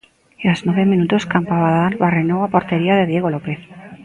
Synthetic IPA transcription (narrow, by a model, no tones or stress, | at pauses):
iaznweβe̞mĩnut̪oskampaβaðalβarenoapo̞ɾt̪e̞ɾiaðeð̞je̞ɣ̞o̞lo̞pe̞θ